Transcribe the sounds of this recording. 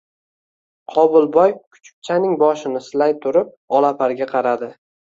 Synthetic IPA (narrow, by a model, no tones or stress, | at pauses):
qʰɒbʊlˠbɒjkʰʊ̥t͡ʃʰʊ̥p̚t͡ʃʰanɪŋbɒʃɪnɪsɪlajt̪ʰʊɾɪp̚ɒlˠapʰaɾɡʲaqʰɑɾad̪ɪ